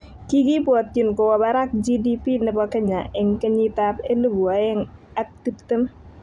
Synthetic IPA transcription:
ki˦ɡi˦bwɔ˨tːi˨nkɔ˨wɔ˨ba˦ɾa˦k̚d͡ʒi˦di˦pi˦nɛ˨bɔ˦kɛ˦ɲa˨ʔɛ˨ŋke˦ɲi˦ta˦pe˦lu˦bu˨a˨ɛ˦ŋ | a˦k̚ti˦pt̪ɪ˦m˦

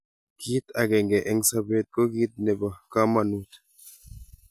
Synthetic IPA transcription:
ki˦t̪a˨kɛ˨ŋɡɛ˨ʔɛ˦ŋsa˦be˦˨t̚kɔ˦ki˦t̪̚nɛ˨ba˨ka˦ma˨nu˦t

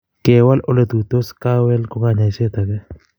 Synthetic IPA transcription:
ke˨wa˦lʔo˦le˦t̪u˨t̪o˦ska˦wɛ˦lko˦ŋa˨ɲa˨jse˦t̪a˨kɛ˦

